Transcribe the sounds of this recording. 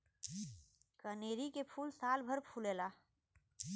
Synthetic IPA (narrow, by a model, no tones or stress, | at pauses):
kəneːɾikepʰuːlsaːlbʱəɾpʰuːleːla